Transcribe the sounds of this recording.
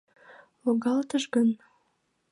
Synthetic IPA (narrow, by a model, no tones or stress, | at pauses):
loɣɑlt̪əʒɡən